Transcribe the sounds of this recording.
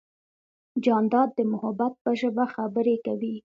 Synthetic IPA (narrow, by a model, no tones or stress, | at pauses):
d͡ʒɑnd̪ɑd̪̚ːəmʊhabat̪̚pəʒəbaxabəɾekawi